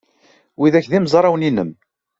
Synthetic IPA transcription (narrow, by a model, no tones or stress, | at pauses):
wiðæçðimzˤɾˤɑwninːəm